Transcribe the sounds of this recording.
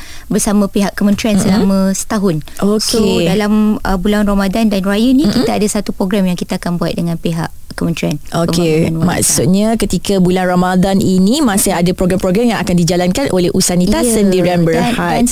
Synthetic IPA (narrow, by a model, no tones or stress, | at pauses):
bərsamə̃peɦaʔkːəmə̃nt̪ɾiansəlamə̃sə̥t̪aɦʊnʔoskʰoedalamə̰bulanramadandanrajənĩkit̪aadasat̪upɾoɡɾamjaŋkit̪aːkanbuat̪̚dəŋãnpeɦa̰ʔ | kːəmə̃nt̪ɾianokmenma̰ksut̪̚ɲakət̪ikabulanramadaninimãsɪadapɾoɡɾampɾoɡɾamjãŋakandid͡ʒalankanʔolɛhʔusanit̪asəndiɾanbəɾha